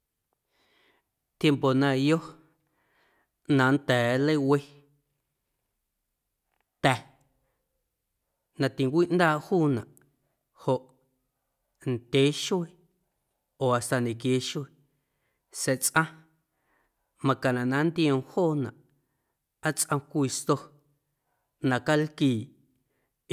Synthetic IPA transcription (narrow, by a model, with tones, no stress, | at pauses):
t̪je˧mpo˨nã˧jo˦ | nã˨˧˦nt̪ɛː˨˦lə˦we˦ | t̪ɛ˨ | nã˧t̪i˨ŋkʷiː˦ʔnd̪aː˦˨ʔhuː˦nã˨ʔ | ho˨ʔ | nd̪̥ʲe˨˦ʃwe˦˧ | oː˨a˨st̪a˨nẽ˨kje˨˦ʃwe˧ | se˧t͡sʔã˦ | mã˧ka˨nã˨ʔnã˨˦nd̪i˦õ˧hoː˦˨nã˨ʔ | a˦t͡sʼʔə̃˧kʷi˧st̪o˧ | nã˨ka˦lkiː˨ʔ